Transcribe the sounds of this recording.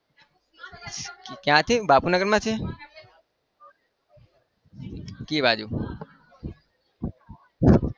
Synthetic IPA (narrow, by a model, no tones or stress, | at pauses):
kjãːt̪ʰibaːpunəɡəɾmãːt͡ʃʰe | kiːbaːd͡ʒuː